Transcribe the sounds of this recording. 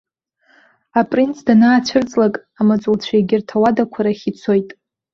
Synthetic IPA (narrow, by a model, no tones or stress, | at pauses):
apʼrint͡sʰdanaːt͡ɕʷʰɪrt͡sʼlakʼamat͡sʷʼult͡ɕʷʰeɡʲɪrtʰawadakʷʰaɾaχʲit͡sʷʰo̞jtʼ